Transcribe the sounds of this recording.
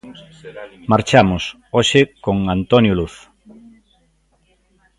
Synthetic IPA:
maɾt͡ʃamʊs | oʃɪkoŋant̪onjuluθ

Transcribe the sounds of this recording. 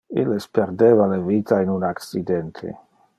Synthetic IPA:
ilespeɾd̪eːvalevit̪ʰainunaksid̪ɛnt̪ʰḛ

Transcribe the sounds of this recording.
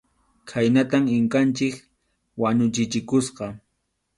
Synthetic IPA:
kʰajnat̪amɪŋkant͡ʃɪk | waɲʊt͡ʃɪt͡ʃɪkʊsqɑ

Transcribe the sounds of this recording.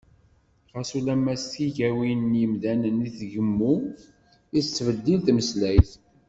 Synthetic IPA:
ʁɑsulæmːæstiʝæwinjəmdænəniθʝəmːu | ist͡sːvəd̪ːilθməslæjθ

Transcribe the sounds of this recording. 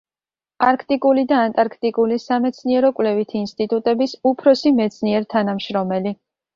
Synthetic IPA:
aɾkʰt̪ʼikʼulid̪aːnt̪ʼaɾkʰt̪ʼikʼulisamɛt̪sʰniɛɾɔkʼwlɛvit̪ʰiːnst̪ʼit̪ʼut̪ʼɛbisupʰɾɔsimɛt̪sʰniɛɾt̪ʰanamʃɾɔmɛli

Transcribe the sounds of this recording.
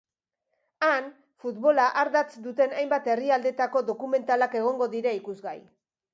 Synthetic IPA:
an | fut̪βo̞laʔaɾðat͡sd̪ut̪e̞najmbat̪e̞riald̪e̞t̪ako̞ðo̞kume̞nt̪alake̞ɣ̞o̞ŋɡo̞ðiɾaikuzɣaj

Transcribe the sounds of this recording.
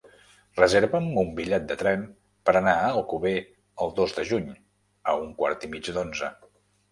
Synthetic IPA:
rəzeɾβəmumbiʎɛt̪̚d̪ət̪ɾɛm | pəɾənaəlˠkuβe | əlˠd̪ozd̪əʒuɲ | əuŋkwa̰ɾt̪imid͡ʒd̪onzə

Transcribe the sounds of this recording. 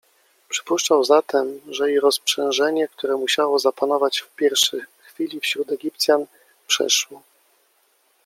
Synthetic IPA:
pʂɘ̥puʂt͡ʂawzat̪ʰɛmʐɛiɾɔspʂɛ̃nʐɛɲɛk̚t̪uɾɛmuɕawɔzapanɔvat͡ɕfpʲjɛɾfʂɛxfʲilʲifɕɾut̪ɛɡʲip̚t̪sʲjan | pʂɛ̰ʂwɔ

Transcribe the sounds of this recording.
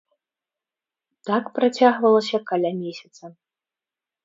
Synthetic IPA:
t̪akpɾat͡sʲaɣvɐlˠɐsʲɐkalʲamʲesʲɐt̪sɐ

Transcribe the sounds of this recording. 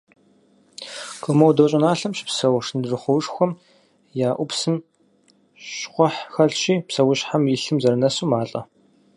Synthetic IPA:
kʰɔmɐwdoːɕʼɪnaːɬɐmɕpsɐwʂnɨdrɨχʷɔwʂxʷɔm | jaːʔʷʊpsɨm | ɕqʷɔħxɐɮɕiːpsɐwʊɕħamjiɬɨmzɐɾɨnɐsuːmaːɬʼɐ̰

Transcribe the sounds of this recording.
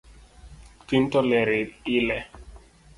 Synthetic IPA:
tintɔlɛɾɪilɛ

